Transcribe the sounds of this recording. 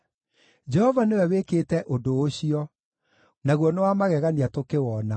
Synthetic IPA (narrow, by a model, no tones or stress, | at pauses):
d͡ʑɛhɔvanewɛwekeːtɛʔodooɕiɔ | naɣwɔnewamaɣɛɣaniatokewɔna